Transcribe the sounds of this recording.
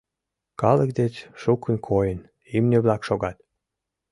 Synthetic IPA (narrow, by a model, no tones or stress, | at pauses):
kɑlə̆kd̪et͡sʃukʰːə̆nʲkʰojən | imnʲeβlɑkʃoɡɑt̪